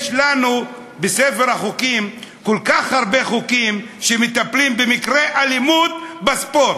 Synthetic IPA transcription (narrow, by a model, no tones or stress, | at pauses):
jʃlanu | besefeʁhaχukimkolkaχhaʁbe̞χukim | ʃemet̪aplimbemikʁeʔalimud̪̚baspot